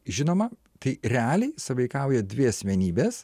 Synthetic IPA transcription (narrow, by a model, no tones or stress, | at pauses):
ʒʲɪnoːmɐ | t̪ɐɪɾʲɛɑːlʲɛɪsɐʋɐɪkɐˑʊjɛd̪ʲʋʲɪɐsʲmʲɛnʲiːbʲeːs